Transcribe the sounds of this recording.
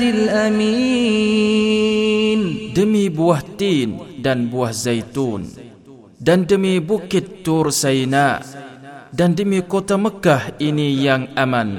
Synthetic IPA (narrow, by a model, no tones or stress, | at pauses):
lilami | ndəmibuaht̪indanbuahzajt̪un | dandəmibukɪt̪ːʊrsajina | dandəmikot̪aməkahinijaŋʔaman